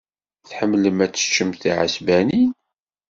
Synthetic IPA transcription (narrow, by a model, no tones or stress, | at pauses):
θħəmːləmæt͡sːə̥t͡ʃːəmθiʕə̰sbænin